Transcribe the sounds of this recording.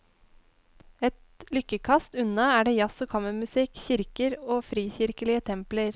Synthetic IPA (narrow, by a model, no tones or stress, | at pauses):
ɛt̪ | lʏkəkʰɑst̪ʉnɑæːɖeːjɑsoːkʰɑməmʉsɪkçɪɾkəɾoːfɾiːçɪɾkəlɪət̪ʰɛmpləɾ